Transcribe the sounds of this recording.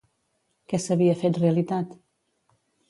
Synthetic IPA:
kɛsəβiəfet̪reəlit̪at̪

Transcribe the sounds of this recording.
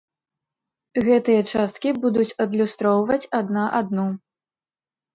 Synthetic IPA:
ɣɛt̪ɨjɐt͡ʂast̪kʲibud̪ut͡sʲɐd̪lʲust̪ɾɔwvɐt͡sʲad̪naʔad̪nu

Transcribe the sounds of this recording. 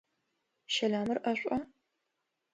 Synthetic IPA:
ʃɐlaːmɨrʔɐɕʷʼɐ

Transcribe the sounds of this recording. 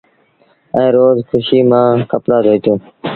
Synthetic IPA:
ə̃ːɾoːzkʰʊʃiːmãːkəpɽaːd̪ʱoːit̪õː

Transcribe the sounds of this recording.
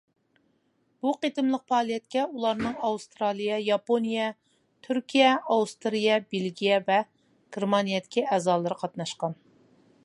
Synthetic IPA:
b̥uqet̪ɨmlˠəq̚pɑːlˠijɛt̪̚kʲɛulˠɑɾnɨŋɑwust̪ɾɑlˠijɛjɑponijɛ | t̪ʰyɾkʲʰijɛɑwust̪ɾijɛbelɡʲijɛvɛ | ɡ̥ʲɪɾmɑnijɛd̪ɪkʲiɛːzɑːlˠɨɾɨqʰɑt̪nɑʃqɑn

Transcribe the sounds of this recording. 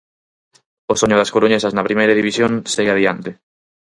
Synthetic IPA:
osoɲʊðɐskoɾoɲesɐznɐpɾimejɾɐðiβisjoŋseɣaðiant̪ɪ

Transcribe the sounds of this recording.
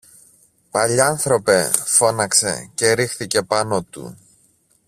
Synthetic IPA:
pɐʎiɐnθɾo̞pe̞fo̞nɐkse̞̰ce̞ɾixθice̞pɐno̞t̪ṵ

